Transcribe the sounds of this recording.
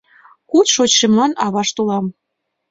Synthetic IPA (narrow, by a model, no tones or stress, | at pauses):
kut̪ʃot͡ɕʃemlɑnɑβɑʃt̪ulɑm